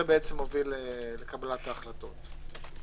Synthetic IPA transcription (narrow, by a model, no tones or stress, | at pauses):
ebeet͡se̞mo̞vilelekabalat̪aːχlato̞t̪